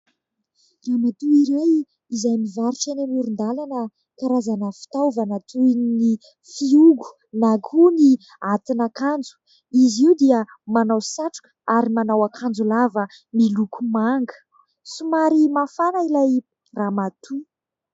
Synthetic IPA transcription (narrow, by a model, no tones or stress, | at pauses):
raːmat̪uiɾaj | izajmivaɾiʈ͡ʂenenuɾund̪alanə | kaɾazanəfi̥t̪awvanat̪unni | fiuɡu̥ | nakʰuni | at̪inakand͡zu̥ | iziwd̪iə | manawsaʈ͡ʂu̥k | aɾimanawakʰand͡zulavə | milukumaŋɡə̥ | sumaɾimafanailaj | ramat̪ʰu